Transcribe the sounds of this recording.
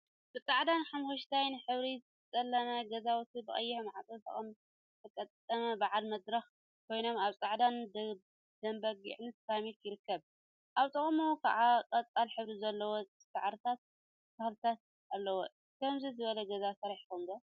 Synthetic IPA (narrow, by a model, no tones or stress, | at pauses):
b̥ɨt͡sʼaʕd̪anħamhoʃt̪ʰajnɨħɨβɾizɨt͡sʼɐlːɐnaɡɐzawt̪ʰibɨχʼɐjːɪħmʕat͡sʼɨt̪ʰʼɐ̰χʼɐm | t̪ʰɐkʼɐt̪ʼɐmɐbaʕalmɐd̪ɾɐx | kʰo̞jno̞maβt͡sʼaʕd̪and̪ | d̪̥ɐmbɐɡḭʕnɨt̪samit̪jɪɾɨkʰːɐβ | ʔaβt̪ʼɨχʼmokʰaʔakʼɐt͡sʼalħɨβɾizɐlːɐwo | saʕɾɨt̪ʰat̪̚ | kʰaxlɨt̪ʰat̪̚ | alːɐwo | kʰɐmzizɨβɐlɐɡɐzasɐɾiħkʰomɡɐ